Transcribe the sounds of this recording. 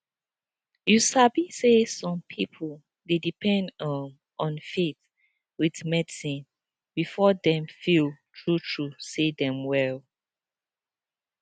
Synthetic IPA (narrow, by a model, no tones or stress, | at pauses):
jusabisesɔ̃mpʰipʰol | dedipʰɛ̃nd | ʔɔ̃nfeθ | wiðmɛdsĩn | b̥ifɔdɛ̃mfiltʰɹutʰɹusedɛ̃mwɛl